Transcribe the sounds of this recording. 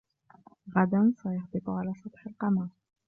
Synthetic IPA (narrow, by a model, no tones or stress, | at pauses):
ɣad̪ansæjɑhd̪ɨt̪ʊʕalaːsˤɑt̪ˤħəlqɑmɑɾˤ